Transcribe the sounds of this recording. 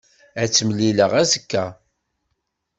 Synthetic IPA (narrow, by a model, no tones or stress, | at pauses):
æt͡sːəmliləʁæzəkːæ